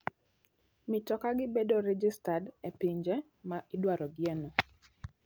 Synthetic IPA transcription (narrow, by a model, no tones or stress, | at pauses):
mɪtɔkaɡɪbedoɾɛd͡ʒistadepiɲd͡ʒɛ | maʔɪdwaɾɔɡɪɛnɔ